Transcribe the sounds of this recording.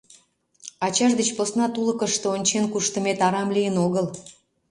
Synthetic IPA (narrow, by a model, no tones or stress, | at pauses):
ɑt͡ɕɑʒd̪et͡ɕposnɑt̪uləkəʃt̪oonʲt͡ɕenkuʃt̪əmet̪ɑɾɑmlijənoɣəl